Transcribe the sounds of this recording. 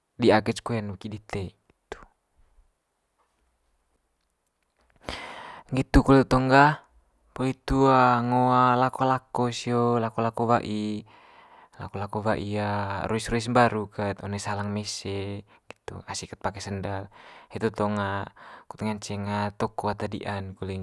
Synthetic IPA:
diakɛt͡ʃkuɛnukidit̪eɛɡit̪u̥ | ɡit̪ukɔlɛt̪ut̪ɔŋɡa | pɔlit̪uaŋoalakolakosiolakɔlakoβaʔi | la̰kolakoβaʔiaɾuisɾuis̬mbaɾukət̪ɔnɛsalaŋmɛsɛ | ɡit̪ṵasikət̪̚pakɛsəndalhɛt̪ut̪ɔŋaku̥t̪ŋant͡ʃɛŋat̪ɔkɔat̪adḭʔankulɛ

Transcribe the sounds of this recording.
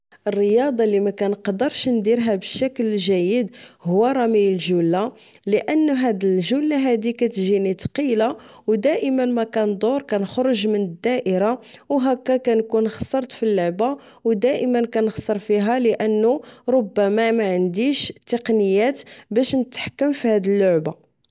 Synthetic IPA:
ʔərːəjɑd̪ˤɑlimækænəqd̪əɾʃnd̪iɾɦæbəʃːæklʒæjːəd̪hʊwːæɾˤɑmijəlʒulːa | ləʔənːuɦæd̪əlʒulːaɦæd̪ikæt̪ʒinit̪qila | wd̪æʔəmənmækænd̪ˤoɾˤkænxɾˤʊʒmənəd̪ːæʔəɾawɦækːækænkunxsˤəɾˤt̪filːʊʕba | wd̪æʔəmənkænəxsˤəɾˤfiɦæləʔənːuɾˤobːæmæmæʕənd̪iʃt̪ːəqnəjːæt̪bæʃnət̪ħkːəmfihæd̪əlːʊʕba

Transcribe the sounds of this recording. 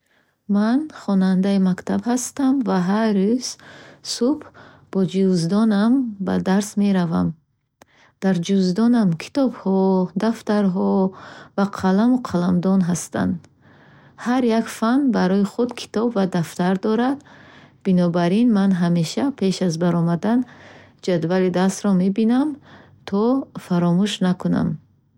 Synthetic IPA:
manχɔnand̪aimakt̪ʰabhast̪amvaɦaɾuz̥sub | b̥ɔd͡ʒuzd̪ɔnamba̰d̪aɾsme̞ɾava̰m | d̪̥aɾd͡ʒuzd̪ɔnamkʰi̥t̪ɔbhɔd̪aft̪aɾɦɔvaqʰalamuqʰalamd̪ɔnɦast̪a̰nd̪ | haɾjakfanbaɾɔiχud̪kʰi̥t̪ɔbvad̪aft̪aɾd̪ɔɾad̪b̥inɔbaɾinmanɦameʃapʰe̞ʃazbaɾɔmad̪an | d͡ʒad̪valid̪ast̪ɾɔme̞binam | t̪ʰɔfaɾɔmuʃnakʰuna̰m

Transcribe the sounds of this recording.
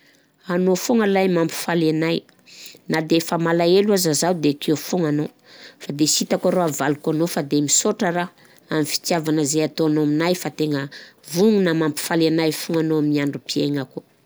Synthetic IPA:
anofuŋalajmampi̥falenaj | nad̪efəmalaeluazazawd̪ekʰewfuŋano | fad̪esit̪akaɾoavalukanofad̪emisoʈ͡ʂəɾa | amifi̥t̪iavanəzejat̪oanoaminajfat̪eŋəvuŋunamampi̥falenajfuŋanoaminiaɳɖ͡ʐupieŋəku

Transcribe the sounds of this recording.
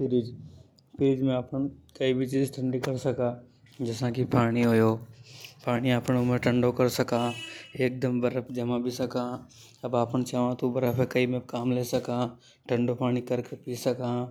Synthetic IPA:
pɪɾid͡ʒ | pɪɾɪd͡ʒmẽapənkɐibʱit͡ʃiːzʈʰə̃ɳɖikɐɾsɐkaː | d͡ʒɛsãkipaːɽ̃iɦojoːpaːɽ̃iaːpnʊmẽʈʰə̃ɳɖokɐɾsɐkaːeːk̚d̪əmbɐɾəpd͡ʒɐmãbʱisɐkã | ɐbaːpənt͡ʃaːʋãt̪ubɐɾəpʰẽkɐimẽkaːmleːsɐka | ʈʰɐ̃ɳɖopaːɽ̃ikɐɾkepiːsɐkaː

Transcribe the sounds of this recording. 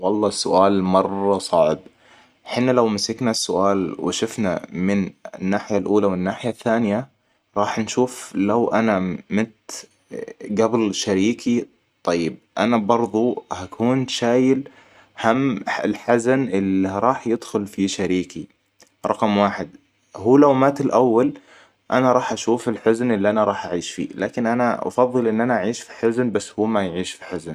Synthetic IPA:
wɑlˤːɑːsːʊʔaːlmɑrˤːɑsˤɑʕb | ħɪnːalawmɪsɪknasːʊʔaːlwɪ̰ʃʊfna̰mɪnɪ̰nːaːħɪjalʔuːlawɪnːaːħɪjaθːaːnɪja | ɾˤɑːħnʃuːflawʔanamɪnt̪ | ɡablʃaɾiːkʰi | t̪ˤːɑjːɪb̚ʔanabɑɾˤðˤuhakʰuːnʃaːjɪl | hamːɪ̰lħazanʔɪlːiɾˤɑːħjɪd̪xʊlfiʃaɾiːki | ɾˤɑqmwaːħɪd̪ | huːlawmaːt̪ɪlʔawːal | ʔanaɾˤɑːħʔaʃuːfɪlħʊznʔɪlːiʔanaɾˤɑːħʔaʕiːʃfḭːlaːkɪnʔanaʔɑ̰fɑðˤːɨlʔɪnːʔanaʔaʕiːʃfiħʊznbasːhuːmajʕiːʃfiħʊzn

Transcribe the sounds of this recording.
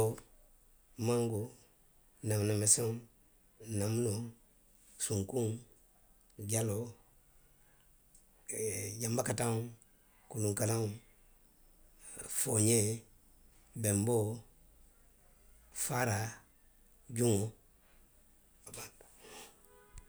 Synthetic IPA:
o | maŋɡo | namnamese | namuno | suŋkuŋ | ɟalo | ɟambakatau | kuluŋkalau | foɲe | bembo | faɾa | ɟuŋo | aba

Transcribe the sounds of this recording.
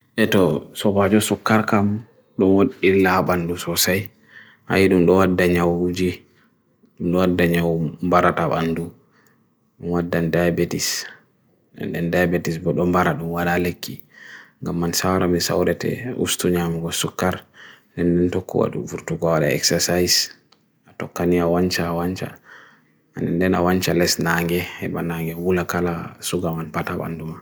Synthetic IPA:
ʔɛtɔsɔbad͡ʒɔsukːaɾkam | ɗɔmwoɗiilːabandusɔsaj | ha̰jiɗumɗɔwadːaɲawud͡ʒi | ɗumɗɔwadːaɲawmbaɾataɓa̰ndu | ɗumwadːandajbɛtis | ɛ̰nɗɛndajbɛtisbɔɗɔmbaɾaɗumwaɗalekʰːiŋɡamːansawɾamisa̰wɾɛtɛ̰ṵstuɲamuɡɔsukːaɾ | dɛndɛntɔkːɔ̰wa̰ɗṵvuɾtuɡɔwaɗa̰ɛ̰ksɛsajs | atɔkːaniawaɲt͡ʃaːwaɲt͡ʃa̰ | anɛndɛna̰waɲt͡ʃalɛsnaŋɡɛhɛɓanaŋɡɛwulakalasuɡamanpataɓa̰nduma

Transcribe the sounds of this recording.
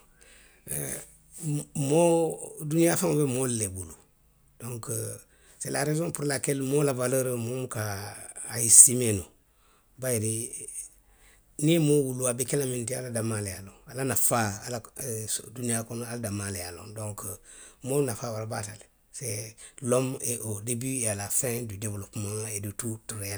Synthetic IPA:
modunijafaŋobemolːebulu | d̥õŋk | sela̰ɾezõpuɾlakelmolavaləɾəmomkaː | jisimeno | bajiɾi | nimowuluabekelamĩntia̰ladamalealõŋalanafaaladunijakonaladamalejalõ̰dõŋkəmonafawaɾbatale | selomeʔodebialafɛ̃didevlopmãŋeditutuɾa

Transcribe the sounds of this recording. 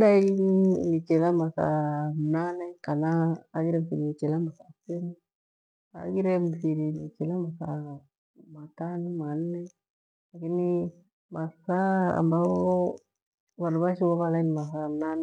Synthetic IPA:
dailit͡ʃɛlamasa̰mnanɛkanaːɡiɾɛmfiɾinit͡ʃɛlamasasen | a̰ɡiɾɛmfiɾinit͡ʃɛlamasa | matanimannɛ | lakini | masaa̰mbaɔ | βaɾbaʃiβaβalainmasamnan

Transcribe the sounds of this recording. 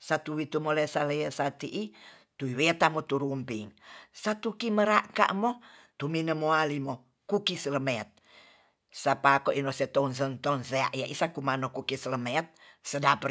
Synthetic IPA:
sat̪uwit̪umolesaleəsat̪iʔi | t̪uiwet̪amot̪uɾumpiŋsat̪ukiməɾaʔka̰ʔmo | t̪uminəmoalimo | kukisələmet̪̚ | sapakoʔinoset̪ons̬ənt̪ɔnsea̰ʔjaʔisakumanokukisələmet̪̚sədapə

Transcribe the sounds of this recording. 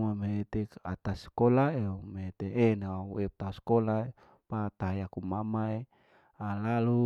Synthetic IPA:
mameet̪ea̰t̪askolaemeet̪eenauɛp̚t̪auskolae | pat̪aɦajakumamae | alalu

